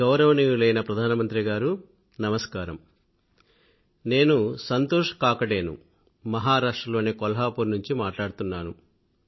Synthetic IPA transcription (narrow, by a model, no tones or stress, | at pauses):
ɡɐwɾɐʋɐnijulɐjnɐpɾɐd̪ʱaːnɐmɐnt̪ɾiɡaːɾu | nɐmɐskaːɾɐ̰m | ne̞ːnusɐnt̪oːʂɐ̥kaːkɐɽe̞ːnṵ | mɐɦaːɾaːʂʈɾɐloːne̞ːkɔlɐɦaːpuɾnuɲt͡ʃimaːʈlaːɽut̪unːaːnu